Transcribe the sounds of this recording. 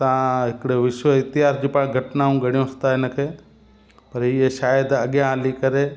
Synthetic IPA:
t̪ɐãɦɪkɽeʋɪʃwəɪt̪ɪɦaːsd͡ʑuːpaːɽ̃ɡʱɐʈnaːũɡʱɐɽijõst̪aːɪnəkʰeː | pɐɾɦiːeʃaːjəd̪ɐɠjãɦaːlikɐɾe

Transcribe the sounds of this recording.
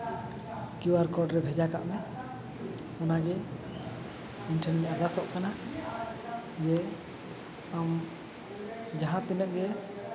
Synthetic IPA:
kiwaɾkɔɖɾɛbʱɛd͡ʒaka̰ʔmɛ | ɔnaɡɛ | inʈʰənɲɛʔaɡ̪asɔʔkana | d͡ʒɛ | am | d͡ʒaɦãt̪inəʔ̚ɡɛ

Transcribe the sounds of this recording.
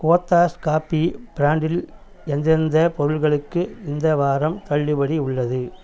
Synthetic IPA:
koːt̪ːaːskaːpːib̥ɪɾaːɳɖɪl | ɛnd̪ɪɾɯnd̪ɐpɔɾɯɭɣɐɭɯkːɯɪnd̪ɐʋaːɾɐmt̪ɐɭːɯbɐɽiʊɭːɐðɯ

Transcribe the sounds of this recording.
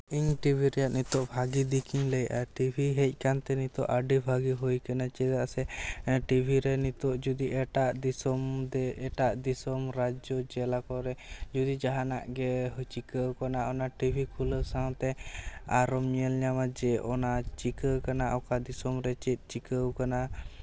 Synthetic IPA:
iɲʈibʱiɾɛjaʔ̪nit̪ɔʔbʱaɡid̪ikʰiɲləjʔa̰ʈibʱiɦɛc̚ˀkant̪ɛnit̪ɔ̰ʔaɖibʱaɡiɦujkanat͡ʃɛt̪aʔsɛʈibʱiɾɛnit̪ɔʔd͡ʒud̪iʔɛʈaʔd̪isɔmd̪ɛʔɛʈaʔd̪isɔmɾad͡ʒɔd͡ʒɛlakɔɾɛd͡ʒud̪id͡ʒaɦana̰ʔɡɛɦt͡ʃikəwkanaʔɔnaʈibʱikʰuləsaw̃t̪ɛaɾɔməlɲamad͡ʒɛʔɔnat͡ʃikəkanaʔɔkad̪isɔmɾɛt͡ʃit̪̚ˀt͡ʃikəwkana

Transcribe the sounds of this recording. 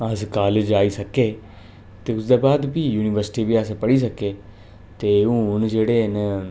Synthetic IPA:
əskaːlːd͡ʒaːisəkeː | t̪eːʊsd̪eːbaːd̪bʱiːjuːnɪʋəɾsɪ̥ʈiːbʱiəspəɽiːsəkeː | t̪eːũːʊnd͡ʒeːɽeːnə

